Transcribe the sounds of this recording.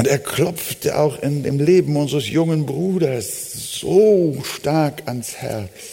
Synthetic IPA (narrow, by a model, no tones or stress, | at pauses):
ʔʊnteːɐkʰlɔp͡ftʰə̰ʔa̰ʊxɪndeːmleːbm̩ʊnzʁəsjʊŋənbʁuːdɐs | z̥oːʃtaɐkanshɛ̰ɐt͡s